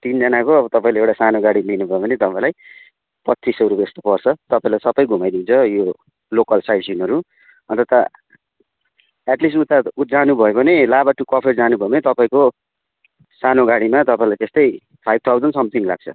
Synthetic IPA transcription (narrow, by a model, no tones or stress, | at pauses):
t̪ind͡zʌnakoʌbʌt̪ʌpaĩleewʈasanoɡaɽilinubʱʌebʌnet̪ʌpãĩlaj | pʌtːisʌɾupest̪o̥pʌrt͡sʰʌt̪ʌpaĩlajsʌbʌjɡʱumajd̪int͡sʰʌjo | lokʌlsajsinɦʌɾu | ʌ̰nt̪ʌt̪a | aʈlisʈut̪aud͡zanubʱʌjobʌnelabaʈukʌpʰed͡zanubʱʌebʌnet̪ʌpaĩko | sanoɡaɽimat̪ʌpaĩlajt̪est̪ʌj | pʰajb̚t̪ʰawd͡zʌnsʌmt̪ʰiŋla̰ɡ̚t͡sʰʌ̰